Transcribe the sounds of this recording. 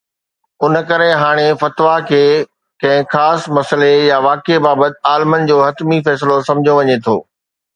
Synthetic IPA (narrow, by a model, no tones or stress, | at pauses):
ʊnkɐɾeɦaːɽ̃efɐt̪ʋakʰeː | kɐ̃ɦɪ̃xaːsmɐsəlejaʋaːkebaːbət̪ɪ̆aːlmən̆d͡ʑoːɦɐt̪mifɛːslosɐ̃md͡ʑʱjoʋɐɲet̪ʰo̰ː